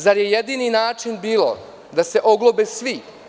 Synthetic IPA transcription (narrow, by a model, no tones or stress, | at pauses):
zaɾjejed̪iːninaːt͡ʃinbiːlo̰ | d̪ase̞ʔo̞ɡlˠobesʋi